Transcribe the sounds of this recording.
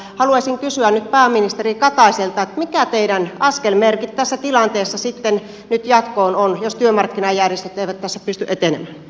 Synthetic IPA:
hɑluɑsʲiŋkysyænnyt̪̚pæːminist̪erikɑt̪ɑiselt̪ɑet̪mikæt̪eidænɑskelmerkit̪t̪æsːæt̪ilɑnt̪eːsːɑsit̪ːen | nyt̪jɑt̪koːnonjost̪yømɑrkːinɑjærjest̪yt̪eˑiʋæt̪t̪æsːæpyst̪yʔet̪enemæː

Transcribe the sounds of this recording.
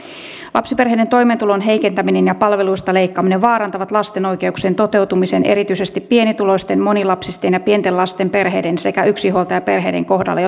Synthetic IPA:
lʔɑ̰psiperɦejde̞nt̪o̞jment̪ulo̞nɦejke̞nt̪æminenjɑpɑlʋe̞luist̪ɑle̞jkːɑːmineʋʋɑːɾɑnt̪ɑʋɑt̪lɑst̪e̞no̞jke̞ukseːnt̪o̞t̪e̞wt̪umisenʔe̞ɾit̪yise̞st̪ipːie̞nit̪ulo̞ist̪enmo̞nilɑpsist̪enjɑpie̞nt̪enlɑst̪e̞mpe̞rɦe̞̰ːdense̞kæyksiɦo̞lt̪ɑjɑpe̞rɦe̞̰de̞̰ŋko̞hdɑ̰lːe

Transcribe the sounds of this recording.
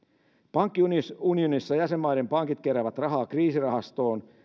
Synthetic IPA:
pɑŋkːiuunionisːɑjæsemːɑjde̞mpɑŋkit̪keɾæːʋæt̪rɑɦɑːkriːsirɑɦɑst̪o̞ːn

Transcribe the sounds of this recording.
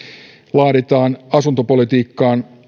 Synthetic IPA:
lɑːɾet̪ɑːnɑsunt̪o̞po̞lit̪iːkːɑːn

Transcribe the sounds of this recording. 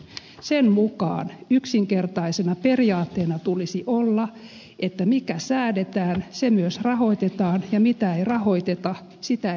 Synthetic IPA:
semmukɑ̰ːnyksiŋkert̪ɑisenɑperiɑːt̪ːeːnɑt̪ulisiʔolːɑ | ʔet̪ːæmikæsæːdet̪æːnsemyøsrɑho̞it̪et̪ɑːnjɑmit̪æeirɑho̞it̪et̪ɑ | sit̪æ

